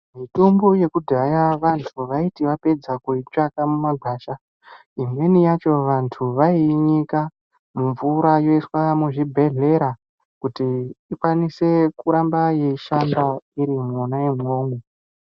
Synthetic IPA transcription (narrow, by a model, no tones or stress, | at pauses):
mito̞mbo̞je̞kudʱajaʋantʰuʋaitiʋape̞d͡zakuit͡ʃakamumaɡʱaːʃa | imwe̞nijat͡ʃo̞ʋantʰuʋaiɲika | muɱvuɾajo̞iswamuʐibʱe̞ɮe̞ɾa | kutiːkwanise̞kuɾambaje̞iʃambaiɾimonajemŋoːmo